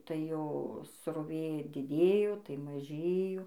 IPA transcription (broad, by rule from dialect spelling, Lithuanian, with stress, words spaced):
tɐɪ ˈjoː sroːˈʋʲeː dʲɪˈdʲeːjoː tɐɪ mɐˈʒʲeːjoː